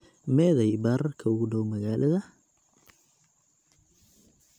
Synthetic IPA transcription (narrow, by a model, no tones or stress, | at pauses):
mɛːðɐjbaːrkʰɐʊɣʊɖɔwmɐɣaːlʔɐðɐ